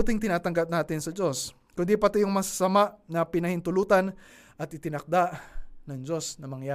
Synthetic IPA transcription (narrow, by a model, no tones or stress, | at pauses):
t̪ɪŋt̪ɪnaːt̪ɐŋɡap̚naːt̪ɪnsɐd͡ʒo̞s | kʊnd̪ipɐt̪ɪjʊŋmɐsɐ̥sɐmaʔnɐpɪnɐhɪnt̪ʊluːt̪ɐn | ʔɐt̪ʔɪt̪ɪnɐk̚d̪aʔnɐŋd͡ʒo̞snɐmɐŋjaː